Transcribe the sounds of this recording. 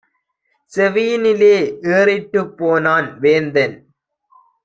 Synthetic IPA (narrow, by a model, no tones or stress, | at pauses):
sɛʋiːnɪleːʔeːɾɪʈːɯpːoːnaːnʋeːnd̪ɐn